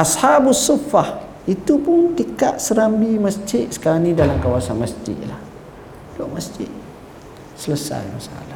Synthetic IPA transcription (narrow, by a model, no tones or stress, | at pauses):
ʔashabusːifah | it̪upʊntəkaʔ̪səɾambiməsd͡ʒɪʔ̪̚sə̥kaɾaŋnĩdalamkawasanməsd͡ʒɪ̰ʔ̪lah | dɔʔməsd͡ʒɪt̪̚ | sələsa̰jmasaʔa̰la